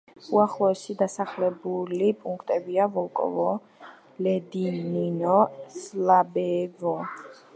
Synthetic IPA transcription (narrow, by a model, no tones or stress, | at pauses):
uaχlˠɔɛsid̪asaχlɛbulipʼuŋkʰt̪ʼɛbiavɔlˠkʼɔ̰vɔ | lɛd̪ininɔslabɛvɔ